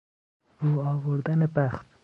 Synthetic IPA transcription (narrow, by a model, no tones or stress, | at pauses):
ɾuːɒːvoɾd̪ænebæxt̪